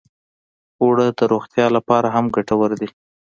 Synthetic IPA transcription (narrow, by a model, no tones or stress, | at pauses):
oɽəd̪əɾoxt̪jɑlapɑɾaɦamɡaʈawəɾd̪i